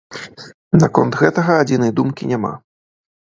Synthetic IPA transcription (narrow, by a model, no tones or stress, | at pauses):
nakɔnt̪ɣɛt̪ɐɣɐːd͡zʲinɐjd̪umkʲinʲama̰